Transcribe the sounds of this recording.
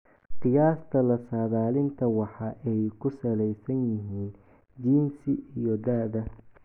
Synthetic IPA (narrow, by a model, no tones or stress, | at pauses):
qɨjaːst̪ʰɐlɐsaːðaːlɪnt̪ʰɐwɑħɑʔɛjkʰʊsɐlɛjsɐnjɪɦiːn | d͡ʒiːnsɪʔijɔd̪aːðɐ